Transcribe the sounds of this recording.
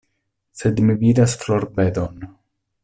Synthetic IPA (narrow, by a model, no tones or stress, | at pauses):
se̞d̪mividasflo̞ɾbed̪on